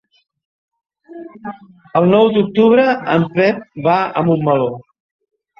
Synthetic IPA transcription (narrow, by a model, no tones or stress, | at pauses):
əlˠnɔwd̪uk̚t̪uβ̞ɾəəmpɛp̚baə̰mumːəlo